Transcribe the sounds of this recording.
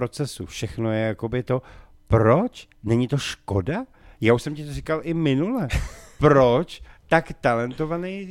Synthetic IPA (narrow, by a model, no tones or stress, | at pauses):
ɾot͡sɛsṵfʃɛxnojɛjako̞bɪt̪o̞ | pɾo̞t͡ʃ | nɛɲɪt̪o̞ʃko̞da | jaːuʃsɛmcɪt̪orikalʔɪmɪnulɛpɾo̞t͡ʃt̪akt̪alɛnt̪o̞vanɛj